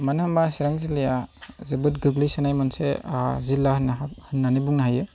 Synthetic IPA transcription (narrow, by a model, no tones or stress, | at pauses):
manɯhɯmbasiɾaŋzilejazɯbɯt̚ɡɯɡlisɯnajmɯnsezilːahnhɯnːanibuŋnaɦajɯ